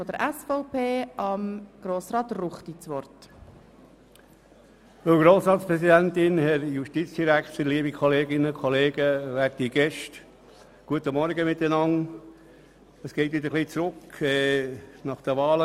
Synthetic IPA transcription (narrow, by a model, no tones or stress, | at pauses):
fɔd̥əɾʔɛsfɔʊpʰeːʔɑmɡ̥ɾoːsɾɑːt̪ruχt̪it͡sʋɔrt | ʋəlɡɾoːsɾɑːt̪spɾɛsidænt̪ɪnhɛɾjuʃtiːt͡sd̥iɾækt̪əliəbikʰɔleːɡɪnəkʰɔleːɡəʋæɾt̪iɡ̥ɛʃt | ɡ̥uət̪əmɔɾɡəmɪt̪ːənɑŋ | əsɡ̥eɪt̪ʋɪd̪əχliːt͡sɾʊkɛnɑχd̥əʋɑːlə